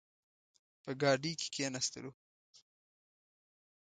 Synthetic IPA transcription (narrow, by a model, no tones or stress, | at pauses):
pəɡɑːɖike̥kʰenast̪ɪ̰lu